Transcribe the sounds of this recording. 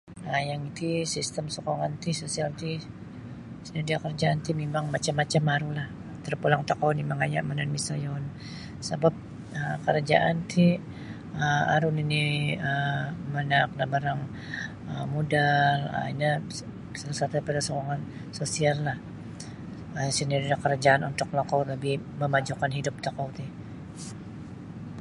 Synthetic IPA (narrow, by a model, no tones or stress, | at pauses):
ajaŋit̪isist̪əmsokoŋant̪isosialt̪i | sinadiakəɾd͡ʒaant̪imemaŋmat͡ʃamːat͡ʃamaɾulah | t̪ərpulaŋt̪akanimaŋaja̰ʔmənanmisajon | sabap̚ | əkəɾad͡ʒa̰ʔant̪ʰi | əa̰ɾuniniəmənakdabaɾaŋ | əmodalə̰ina | salasat̪apadasoɾaŋan | sosiallah | əsəniɾilakəɾad͡ʒaʔanunt̪ʊk̚lokɔləbi | məmad͡ʒukanɦidʊp̚t̪akawt̪ɪh